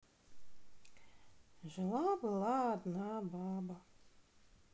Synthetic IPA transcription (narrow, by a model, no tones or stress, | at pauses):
ʒɛlˠabɨlˠaːd̪naːbaːba